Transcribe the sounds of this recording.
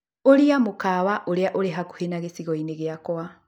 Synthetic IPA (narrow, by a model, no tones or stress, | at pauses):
oliamukaβaʔoɾeaʔoleɦaku̥henaɣesiɣɔineɣjakwa